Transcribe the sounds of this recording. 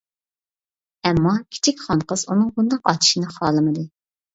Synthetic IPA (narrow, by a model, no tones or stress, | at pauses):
ɛmːɑkʲʰi̥t͡ʃʰikʲχɑnqəzunɨŋbund̪ɑqɑt̪ʰi̥ʃinɨχɑːlˠɨmɨd̪ɨ